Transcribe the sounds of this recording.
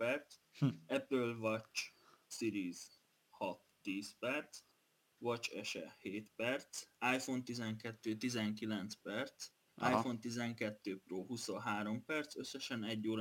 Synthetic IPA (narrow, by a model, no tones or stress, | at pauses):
ɛrt̪s | ɛpølvɒt͡ʃsiɾiːz̥ | hɒt̪ːiːspɛrt̪s | ʋɒt͡ʃɛʃɛ̰heːt̪pɛrt̪saːjfo̞nt̪izɛŋkɛt̪ːøːt̪izɛŋkilɛnt̪spɛrt̪s | ʔaːjfo̞nt̪izɛŋkɛt̪ːøːproːɦusonɦaːɾo̞mpɛrt̪sø̞sːɛʃɛnɛɟːoːɾ